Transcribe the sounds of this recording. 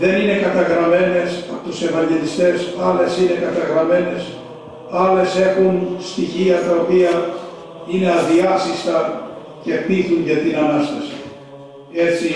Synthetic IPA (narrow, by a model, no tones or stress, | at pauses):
ðe̞nine̞kɐt̪ɐɣɾɐme̞ne̞sɐpot̪use̞vɐɲɟe̞list̪e̞sɐle̞sine̞kɐt̪ɐɣɾɐme̞ne̞s | ɐle̞se̞xunst̪içiɐt̪ɐo̞piɐ | ine̞ɐðiɐsist̪ɐ | ce̞piθuɲɟɐt̪inɐnɐst̪ɐsi̥ | e̞t͡si